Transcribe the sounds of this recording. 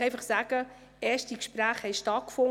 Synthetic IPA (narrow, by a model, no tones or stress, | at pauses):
ɛɪfɑχsaːɡ̥ə | ɛːɐʃtikʃpɾæːχhɛɪʃtɑt̚kfʊŋ